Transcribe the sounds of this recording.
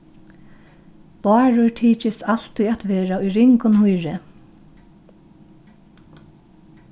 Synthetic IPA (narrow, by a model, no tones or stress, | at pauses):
b̥ɑːɹʊʈʰiːt͡ʃɪsal̥t̪ʊjat̪ʋeːɹaʊjɾɪŋkʊnhʊjɾɪ